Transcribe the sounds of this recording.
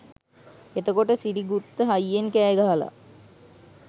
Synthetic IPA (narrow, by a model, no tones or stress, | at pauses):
et̪əkoʈəsiɾiɡut̪ːəɦajːenkæːɡaɦala̰